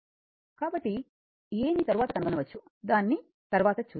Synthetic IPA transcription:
kaːbɐʈːi | eːmit̪ɐɾuʋaːt̪ɐkɐnukɐnɐʋɐt͡ʃːu | d̪aːnːi | t̪ɐɾʋaːt̪ɐt͡ʃuː

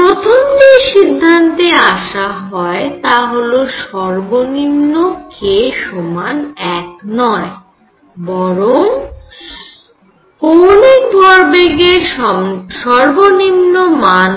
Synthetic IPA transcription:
pɾot̪ʰomːeʃid̪ʱːant̪eaʃaɦɔet̪aɦoloʃɔɾbonimnokʰeʃomanɛk̚nɔe | bɔɾoŋm | onek̚bʱɔɾbeɡe | ʃɔɾbonimnoman

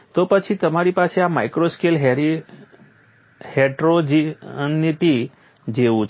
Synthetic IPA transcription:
t̪opət͡ʃʰit̪əmaɾipaseamajkɾoskelɦeɾi | heʈɾod͡ʒiənːipi | d͡ʒeʋũt͡ʃʰ

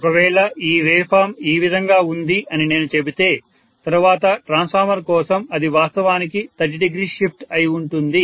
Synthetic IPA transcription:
ɔkɐʋɛːɭɐʔiːɾeːpʰaːmiːʋid̪ʱɐŋɡaːund̪iʔɐnine̞ːnut͡ʃe̞bit̪e̞ː | t̪ɐɾuʋaːt̪ɐʈɾaːnspʰaːɾmɐɾkɔːsɐmɐd̪iʋaːst̪ɐʋaːnikit̪ɐd͡ʒɖiɡɾiːʃip̚ʈɐjiuɳʈund̪i

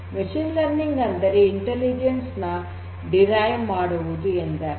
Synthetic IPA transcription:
miʃinlɐɾniŋɡɐnd̪ɐɾeiɳʈelid͡ʒensnɐ | ɖiɾajmaːɽuʋud̪uend̪ɾe

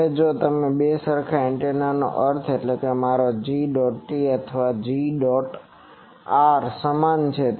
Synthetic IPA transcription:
ed͡ʒot̪əmebesəɾkʰaɪɳʈenano̰ʔəɾt̪ʰeʈlekemaɾod͡ʒiɖɔʈʈiət̪ʰəʋad͡ʒiɖɔʈ | aɾsəmant͡ʃʰe

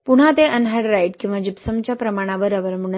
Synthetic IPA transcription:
puɽ̤at̪eʔənɦəɽɾajʈkĩʋad͡ʑipsəmt͡ɕapɾəmaɽ̃aʋəɾəʋəɾmuɳ

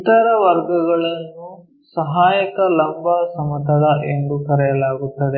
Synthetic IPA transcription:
it̪ɐɾɐʋɐɾɡɐɡɐɭɐnːu | sɐɦaːjɐkɐlɐmbʱasɐmɐt̪ɐɽɐʔend̪ukɐɾɛjɐlaːɡut̪ːɐd̪e

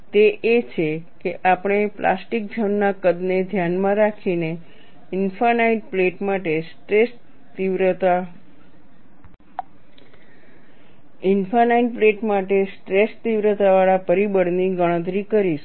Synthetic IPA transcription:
t̪eʔet͡ʃʰekeʔapəɽ̃eplʔa̰sʈik̚d͡ʒʱənnakəd̪ned̪ʱjanmãɾakʰine | ɪnfanaiʈpleʈmaʈesʈes | t̪iʋɾt̪a | ɪnfanaiɖ̚pleʈmaʈesʈɾest̪iʋɾət̪aʋaɭapəɾibəɽniɡəɽ̃ə̃t̪̬ɾikəɾiʃ

